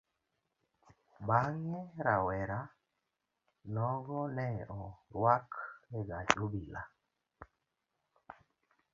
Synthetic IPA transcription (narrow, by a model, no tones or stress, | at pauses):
baŋɛɾawɛɾa | nɔɡɔnɛɔɾwaklɛɡad͡ʒobila̰